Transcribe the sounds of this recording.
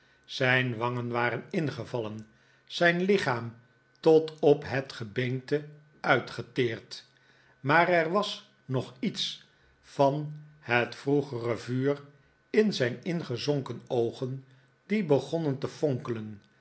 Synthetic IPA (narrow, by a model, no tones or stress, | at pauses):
z̥ɛjnʋɑŋənʋaːɾənɪnχəvɑlən | z̥ɛjnlɪχaːm | tɔtɔpɦətχəbɛŋtə | œɥtχətɪːrt | maːrɛɹʋɑs | nɔχits | fɑnhətfruχərəvyːr | ɪnzɛjnɪnχəzɔŋkənowχən | dibəχɔnəntəfɔŋkələn